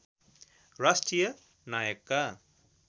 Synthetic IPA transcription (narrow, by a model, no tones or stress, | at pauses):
ɾasʈɾijɐ | najəkːa